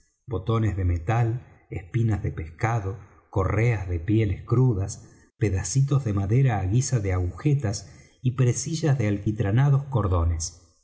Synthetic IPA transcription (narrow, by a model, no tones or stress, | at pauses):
bo̞t̪o̞nezðemet̪al | espinazðepe̞skaðo̞ | ko̞reazðepje̞leskɾuðas | peðasit̪o̞zðemaðeɾaːɣisaðeaɣuxet̪as | ipɾesiʒazðealkit̪ɾanaðo̞sko̞ɾðo̞nes